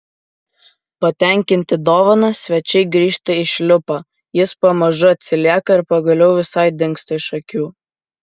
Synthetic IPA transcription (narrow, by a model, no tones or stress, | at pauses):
pɐt̪ʲɛˑŋʲkʲɪnʲt̪ʲɪd̪oːʋɐnɐsʲʋʲɛt͡ʃʲɛɪɡɾʲiːʃt̪ʲɐɪʃʲlʲʊpɐ | jɪspɐmɐʒʊɐt̪ʲsʲɪlʲiɛkɐɪɾpɐɡɐlʲɛʊʋʲɪsɐɪd̪ʲɪŋkst̪ɐɪʃɐkʲuː